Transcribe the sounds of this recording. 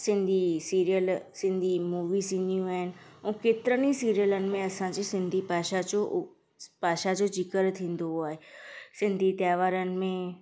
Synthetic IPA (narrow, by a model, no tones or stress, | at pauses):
sɪ̃nd̪ʱisiːɾijəlsɪ̃nd̪ʱimuːʋisĩnd̪ʱijũaːɦɪnɪ̆ũkeːt̪ɪɾənisiːɾijələnɪ̆mẽɐsãd͡ʑiːsɪ̃nd̪ʱipaːʃad͡ʑo | paːʃad͡ʑoːd͡ʑɪkəɾt̪ʰĩːn̆d̪oɦuaːɦesɪ̃nd̪ʱit̪jaːʋaːɾənɪ̆mẽ